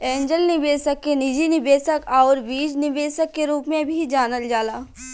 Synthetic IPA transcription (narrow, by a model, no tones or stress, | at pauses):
ɛ̃ːɲd͡ʒəlnɪbeːsəkːenɪd͡ʒinɪbeːsəkɔːɾʋiːd͡ʒnɪbeːsəkːeɾuːpmẽbʱid͡ʒaːnəld͡ʒaːlaː